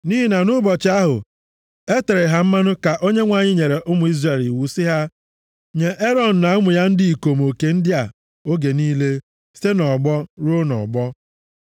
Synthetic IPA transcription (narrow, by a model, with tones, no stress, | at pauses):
niː˦ɦi˦na˨nʊ˦bɔ˨t͡ʃɪ˦a˦ɦʊ̰˨ | e˦te˨ɾe˨ɦa˦m̩˦ma˦nʊ˦ka˨ʔo˦ɲe˦ŋʷa˨ɲɪ˦ɲe˨ɾe˨ʔʊ˦mʊ˨i˦zre˨li˨wu˦sɪ˦ɦa˦ | ɲe˨ʔe˦ɾɔ˨n̩˨na˨˦mʊ˨ja˦n̩˦dɪ˦i˨ko˨mo˨ke˨n̩˦dɪ˦a˨ | o˦ɡe˨niː˦le˦ | se˦nɔ˨ɡ͡bɔ˦ɾo˦nɔ̰˨ɡ͡bɔ˦